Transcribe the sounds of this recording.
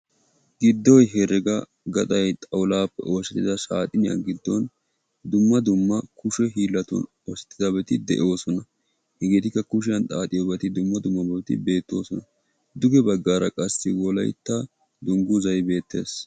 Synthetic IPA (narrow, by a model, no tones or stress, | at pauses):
ɡ̥ɪd̪ːɔjɦɛɾɛɡɐ | ɡɐt̪ʼɐjt̪ʼɐwlaːpːɛ̰ʔoːsɛt̪ːɪd̪ɐsaːt̪ʼɪnɪjɐ̰ɡɪd̪ːɔn | d̪ʊmːɐd̪ʊmːɐkʊʃɛɦiːlːɐt̪ʊ̰n | ɔsɛ̥t̪ːɪd̪ɐbɛt̪ɪd̪ɛ̰ʔo̞ːsɔnɐ | hɛɡeːt̪ɪkːɐkʊʃ̬ɪjɐnt̪ʼaːt̪ʼɪjɔbɛt̪ɪd̪ʊmːɐd̪ʊmːɐbɛt̪ɪ̰be̞ːt̪ːo̞ːsɔnɐ | d̪ʊɡɛbɐɡːaːɾɐkʼɐsːɪwɔlɐ̰jt̪ːɐ | d̪ʊŋɡʊzɐjbe̞ːt̪ːe̞̰ːs